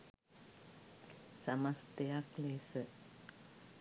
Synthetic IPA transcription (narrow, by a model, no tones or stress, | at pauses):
samast̪ejakleːsə